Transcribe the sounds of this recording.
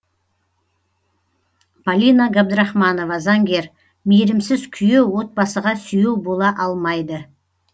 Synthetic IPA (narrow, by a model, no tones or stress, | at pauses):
pʰalʲinaɡab̚d̪ɾɑχmɑno̞vɑzɑŋɡʲe̞ɾ | meɾɪmsɪz̥kʲʰʏjewwo̞t̪̚bɑsəʁɑsʏjewbo̞lˠɑʔɑlˠmɑjd̪ə